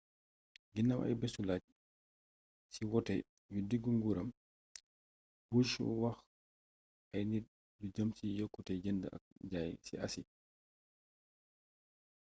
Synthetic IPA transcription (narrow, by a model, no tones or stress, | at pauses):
ɡinːamʔɐ̰jbɛsulac̚ | siwɔtɛ | judiɡuŋɡuːɾɐm | buʃṵwɐx | ʔɐjni | dud͡ʒəmsijɔkːutɛd͡ʒəndə̰ʔɐ̰k̚d͡ʒaːjsḭʔɐ̰si